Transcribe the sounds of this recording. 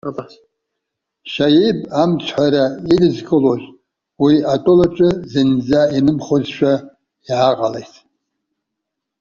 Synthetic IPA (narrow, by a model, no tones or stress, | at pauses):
ʃajibʼamt͡ʃʷʰħʷaɾairɨzkʰɨloʒ | wiatʼʊlaʈ͡ʂʼɨzɨnd͡zainɨmχozʃᶣa | iʕaqʼalejtʰ